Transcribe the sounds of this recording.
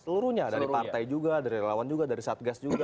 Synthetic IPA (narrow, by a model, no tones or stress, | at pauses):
səluɾuɲadaɾipart̪ajd͡ʒuɡadaɾiɾelawand͡ʒuɡadaɾisaːt̪̚ɡasd͡ʒuɡa